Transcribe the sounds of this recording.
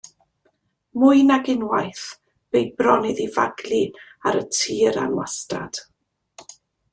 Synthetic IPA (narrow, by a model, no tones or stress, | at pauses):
mʊɨnaɡɪnwajθ | b̥ejbrɔnɪðiva̰ɡlˠi | aɾətʰiːɾa̰nwastra̰d̥